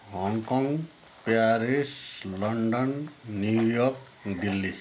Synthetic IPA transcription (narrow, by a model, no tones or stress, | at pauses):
ɦɔŋkɔŋ | paɾislʌɳɖʌnːjujɔk | d̪ilːi